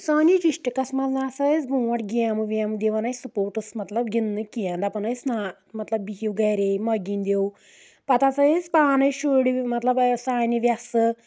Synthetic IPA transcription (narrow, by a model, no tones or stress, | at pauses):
saːnid͡ʒiʂʈɨkɐsmɐznaːsɐzbũːʋɐʈɡiaːmɨʋiaːmɨd̪eʋɐnɐisupoːɾʈɨsmɐt̪lɐbɡʲinːɨkijãnd̪ɐpɐnɐjsnaː | mɐt̪lɐbːiɦiwɡɐjɾemɐɡʲinʲd̪ʲew | pɐt̪at͡sɐespaːnɐjʃoːɽimɐt̪lɐbsaːniʋjasɨ